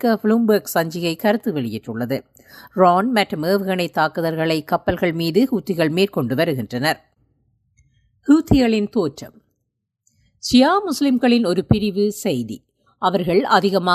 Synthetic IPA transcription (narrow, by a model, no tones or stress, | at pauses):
kɐflumbɐːksɐɲd͡ʒɪɣɐɪkɐɾɯt̪ːɯʋɛɭɪjɪʈrɯɭːɐðɯ | ɾaːnmɐʈrɯmeːʋɯɣɐnɐɪt̪ːaːkɯðɐɾɣɐɭɐɪkːɐpːɐlɣɐɭmiːðɯhuːt̪ːɪɣɐɭmeːɾkɔɳɖɯʋɐɾɯɣɪndrɐnɐɾ | huːt̪ːɪɣɐɭɪnt̪oːʈrɐm | sɪjaːmʊslɪmɣɐɭɪnɔɾɯpɪɾɪʋɯsɛjðḭ | ʔɐʋɐɾɣɐɭɐðɪɣɐmaː